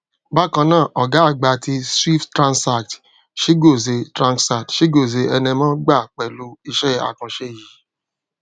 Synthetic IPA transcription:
ba˦kã˧nãː˦˨ʔɔ˨ɡa˨˦a˦˨ɡ͡ba˨ti˧swi˦fttɾã˧nsa˨kt | ʃe˦ɡo˦˨ze˧tɾã˧ŋksa˨tʃe˦ɡo˦˨ze˧ɛ˧nɛ̃˧mãː˦ɡ͡ba˦˨k͡pɛ˨lu˨˦i˧ʃɛ˦a̰˨kã˧ʃe˦˨ji˨˦

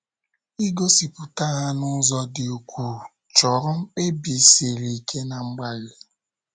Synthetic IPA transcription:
i˦ɡo˦si˨pʊ˨ta˦ɣa˦nʊ˦zɔ˦dɪ˨u˨kʷu˨ | t͡ʃɔ˨ɾɔ˦ŋ͡m̩˦k͡pe˦bi˨si˨ɾi˨kʰe˦na˨ŋ͡m̩˦ɡ͡ba˦le˨

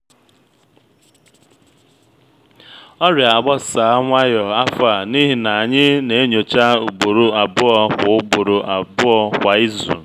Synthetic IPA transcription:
ɔ˦ɾja˨a˨ɡ͡bɔ˦sa˨a˦ŋʷa˦jɔ˨a˦fa˨ni˦ɦi˨na˨a˨ɲɪ˦ne˨e˦ɲo˨t͡ʃa˦u˨ɡ͡bo˨ɾo˨a˨bʊ˦ɔ˦kʷʊ˨˦ʊ˦ɡ͡bo˨ɾo˨ʔa˨bʊ˦ɔ˦kʷa˨i˦zṵ˨

